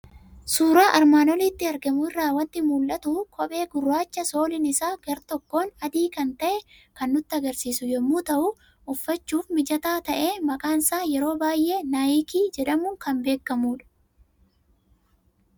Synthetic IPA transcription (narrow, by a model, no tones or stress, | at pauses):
suːɾaːʔɐɾmaːnɔlɪt̪ːɪɐɾɡɐmʊɪrːaːwɐnt̪ɪmuːlʔɐt̪ukʰɔpʼe̞ːɡʊrːaːt͡ʃːɐso̞ːlɪnɪsaːɡ̥ɐɾt̪ɔkːo̞ːnɐd̪iːkɐnt̪ɐʔɛkɐnːʊt̪ːɪɐɡɐɾsiːsʊjɛmːuːt̪ɐʔʊ | ʔʊfːɐt͡ʃːuːfmɪd͡ʒɐt̪aːt̪ɐʔe̞ːmɐkʼaːnsaːjɛɾo̞ːbaːjʔe̞ːnaːjɪkiːd͡ʒɛᶑɐmʊkɐmbe̞ːkːɐmuːᶑɐ̥